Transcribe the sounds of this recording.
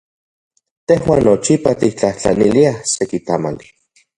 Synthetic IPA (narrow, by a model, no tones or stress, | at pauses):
t̪ehwaːnːot͡ʃipat̪ik̚t͡ɬaht͡ɬa̰niliahsekit̪ama̰li